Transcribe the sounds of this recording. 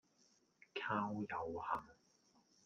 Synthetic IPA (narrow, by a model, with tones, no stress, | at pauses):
kʰaː˥wjɐ˨˧whɐ˨˩ŋ